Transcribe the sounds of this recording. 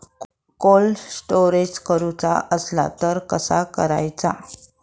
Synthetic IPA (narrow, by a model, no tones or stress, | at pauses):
kolsʈoɾed͡ʑkəɾut͡sa̰ʔəsla̰t̪əɾkəsakəɾa̰jt͡sa̰